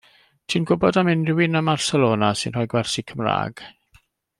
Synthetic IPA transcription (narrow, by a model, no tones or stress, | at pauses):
tʰiːnɡʊbɔdamɪnrɪwɪnəmarsɛlˠoːnasɨ̰nrɔjɡwɛrsikʰəmra̰ːɡ̥